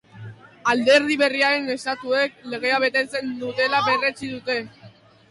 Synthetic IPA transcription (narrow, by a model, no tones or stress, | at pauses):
ald̪e̞ɾð̞iβe̞riaɾe̞ne̞st̪at̪ue̞k̚le̞ɣ̞e̞aβe̞t̪e̞t͡se̞nd̪ut̪e̞laβe̞re̞t͡siðut̪e̞